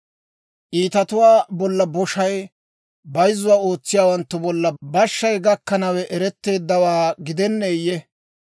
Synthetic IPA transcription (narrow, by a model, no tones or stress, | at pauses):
ʔiːt̪ɐt̪ʊwaːbɔlːɐbɔʃɐj | bɐjzːʊwaːo̞ːt͡sːɪjaːwɐnt̪ːʊbɔlːɐbɐʃːɐjɡɐkːɐnɐwɛʔɛɾɛt̪ːe̞ːd̪ːɐwaːɡɪd̪ɛnːejɛ